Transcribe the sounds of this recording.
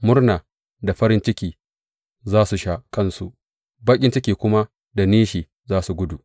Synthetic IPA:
mʊ˦rnaː˨ | da˨ɸɐ˦ɾɪ˦nt͡ʃɪ˦kʲiː˨ | zaː˦su˨ʃa˦ʔkɐ˦˨nsu˨ʔ | baː˦kʲʼɪ˦nt͡ʃɪ˦kʲiː˨kʷʊ˦ma˦ | da˨niː˦ʃiː˨ | zaː˦su˨ɡʷʊ˦du˨ʔ

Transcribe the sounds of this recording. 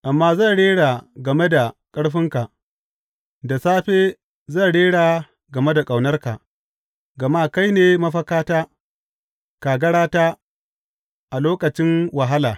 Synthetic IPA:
ʔa˨mːaː˦zɐ˦˨nɽeː˦ɽaː˨ɡɐ˨me˦da˨kʼɐ˦ɽɸɪ˦ŋka˨ʔ | da˨saː˦ɸeː˦ | zɐ˦˨nɽeː˦ɽaː˨ | ɡɐ˨me˦da˨kʼa˨wnɐ˦rka̰˨ʔ | ɡɐ˨maː˦ka˦jneː˨mɐ˦ɸɐ˦kaː˦taː˦ | kaː˨ɡɐ˦ɽaː˦taː˦ | ʔa˨loː˦kɐ˨t͡ʃɪ˦ŋwɐ˨ɦa˦laː˨

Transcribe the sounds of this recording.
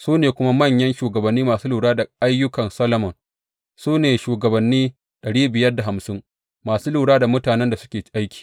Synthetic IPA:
suː˦neː˨kʷʊ˦ma˦mɐ˦˨ɲjɐ˦nʃuː˨ɡɐ˨bɐ˨nːiː˦maː˨suː˦luː˨ɽaː˦da˨ʔa˦jːʊ˦kɐ˨nsɐ˦lɐ˨mɔ˨n | suː˦neː˨ʃuː˨ɡɐ˨bɐ˨nːiː˦ | ɗɐ˨ɽiː˦bɪ˨jɐ˦rda˨ɦa˨msɪ˦ŋ | maː˨suː˦luː˨ɽaː˦da˨mʊ˦taː˨nɛ˦nda˨sʊ̥˦kʲeː˨˦ʔa˦jkʲi̥ː˨

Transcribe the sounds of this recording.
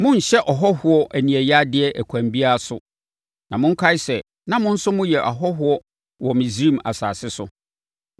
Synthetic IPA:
mʊ̃˦n̩˨ɕɛ˦ʔɔ˨ɦɔ˦hʊ˦ɔ˦ʔæ˨nĩ˨ɛ˨ja˦dɪ˦ɛ˦ʔæ˨kʷʰæ̃˨mbi˦a˦a˨sʊ˦ | nã˨mʊ̃˦ŋ̩˦kʰa˦ɪ˦sɛ˨ | nã˦mʊ̃˦n̩˦sʊ˦mʊ̃˦jɛ˨ʔa˨ɦɔ˦ɦʊ˦ɔ˦ | wɔ˨mĩ˨sɾi˦ma̰˨sa̰ː˨sɪ˦sʊ˨

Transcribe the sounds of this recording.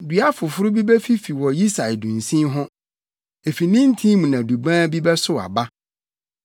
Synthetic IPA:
dɥa˦fʊ˨fʊ˦ɾʊ˦bi˦bɛ˦fi˦fi˨wɔ˨ji˦sa˨ɪ˨dũ˨n˨sĩ˦mɦʊ̃˦ | e˨fi˨nĩ˦n˦tʰĩ˦mũ˨nã˨du˨bãː˦bi˦bɛ˦sʊ˦a̰˨ba˦

